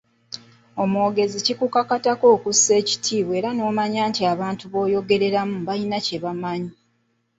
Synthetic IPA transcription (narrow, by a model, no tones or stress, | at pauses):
o̞moːɡe̞zicikukakatako̞ːkusːe̞ːci̥tʰiːβwe̞ːɾano̞ːmaɲaːntiaβaːntuβo̞ːjo̞ɡe̞ɾe̞ɾamubainace̞βamaɲi